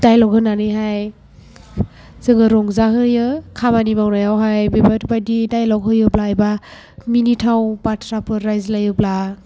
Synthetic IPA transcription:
d̥ajlɔkhɯnanɯjɦaj | zɯŋɯɾɔŋzaɦɯjɯkʰamanimawnajawɦajbebatbadidajlɔkɦɯjɯblaːjba | minitʰawpatʰɾapʰɯɾɾajzlajɯbla

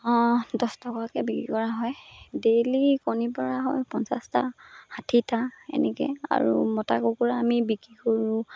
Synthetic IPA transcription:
ɔ̃dɔstɔkɔakɛbikɹḭkɔɹaɦɔjdelikonipɔɹaɦɔjpɔnsasta̰hatʰitaɛ̰nɛkɛ̰a̰ɹṵmɔta̰kokuɹaːmibikɹikoɹũ

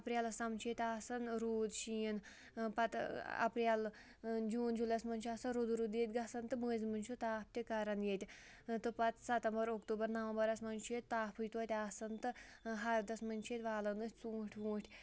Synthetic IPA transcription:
ɐpɾʲalɐsɐmt͡ʃʰit̪ʲaːsɐnɾuːd̪ʃiːən | pɐt̪ɐ̰pɾʲal | d͡ʒuːnd͡ʒulɐsmɐnʲt͡ʃʰaːsɐnɾod̪ɾud̪iːt̪̚ʲɡɐsɐnt̪ɨməːzʲmɨnʲt͡ʃʰut̪aːp̚t̪ʲikɐɾɐnjet̪ʲ | t̪ɨpɐt̪sɐt̪ɐmbɐɾokt̪uːbɐɾnɐʋɐmbɐɾɐsmɐnʲt͡ʃʰet̪ʲt̪aːpʰɨjt̪ɐːt̪ʲaːsɐnt̪ɨɦaɾd̪ɐsmɐnʲt͡ʃʰieːt̪ʋaːlɐnɨt͡suːʈʲʰʋuːʈʲʰ

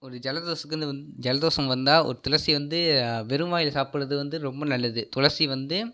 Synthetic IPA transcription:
ɔɾɯd͡ʒɛlɐðoːsɐkːɐnd̪ɯɐnd͡ʒɛlɐðoːsɐmʋɐnd̪aːʔɔ̰ɾɯt̪ʊlɐɾsiʋɐnd̪ɯʋɛɾɯmʋaːjɪlɐsaːpɪɽɐðɯʋɐnd̪ɯɾɔmbɐnɐlːɐðɯt̪ʊɻɐɾsiʋɐnd̪ɯ

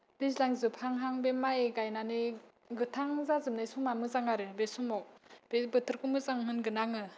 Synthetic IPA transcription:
b̥islaŋzɯpʰaŋɦaŋbemajeɡajnanɯ | ɡɯtʰaŋzazɯmnɯjsumamɯzaŋaɾɯbesumɔk̚b̥ebɯtʰɯɾkumɯzaŋmɯnɡɯnaŋɯ

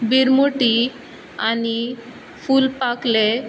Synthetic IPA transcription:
biɾmuʈi | ani | fuːlpakle

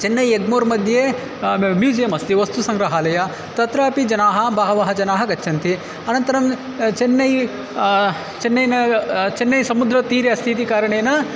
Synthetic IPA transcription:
t͡ʃenːɐjeɡmoːɾmɐd̪ʱjeː | miːd͡ʒɐjɐmɐst̪iʋɐst̪usɐŋɡɾɐɦaːlɐjɐ | t̪ɐt̪ɾaːpid͡ʒɐnaːɦɐbaːɦɐʋaːɦɐd͡ʒɐnaːɦɐɡɐt͡ʃːʃʰɐnt̪i | ɐnɐnt̪ɐɾɐm | t͡ʃenːɐj | t͡ʃenːɐjnɐt͡ʃenːɐjsɐmud̪ɾɐt̪iːɾjɐst̪ʰit̪̬ikaːɾɐɳejnɐ

